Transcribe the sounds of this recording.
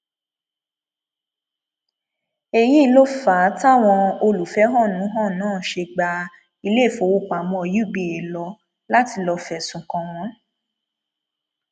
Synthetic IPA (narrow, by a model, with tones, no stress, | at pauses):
e˨ji˦˨lo˦faː˨˦ta˦˨w̃ɔ̃˧o˧lu˨fɛ˨˦ɦɔ̃˦˨nũ˨˦ɦɔ̃˦˨nãː˦˨ʃe˧ɡ͡ba˧ | i˧le˦˨fo˨˧˦wo˦˨k͡pa˨mɔ̃˧˨ju˦˨bi˨e˨lɔ˧ | la˦ti˧lɔ˧fɛ˨sũ˨kɔ̃˧w̃ɔ̃˨˦